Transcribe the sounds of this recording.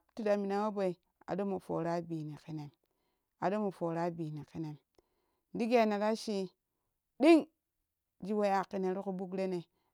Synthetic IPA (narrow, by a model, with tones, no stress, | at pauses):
ti˦˨da˨mi˨na˨wo˦bo˨i˨ | a̰˨do˦mo˨fo̰˨ɾa˦bi˨ni˨ki˦ne˨m | a̰˨do˦mo˨fo˨ɾa˦bi˨ni˨ki˦ne˨m˦ | di˦ɡe˨na˨ɾa˦ʃi˦ | ɗi˦ŋ | d͡ʒi˦wo˦a˨ki˦ne˨˦ɾi˦ku˦bu˦kɾe˦ne˨